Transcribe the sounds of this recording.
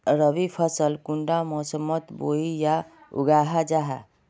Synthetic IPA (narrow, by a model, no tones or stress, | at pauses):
ɾəʋipʰəsəlkuɳɖamɔsəmːət̪boija | ṵɡaːɦad͡ʒaɦa̰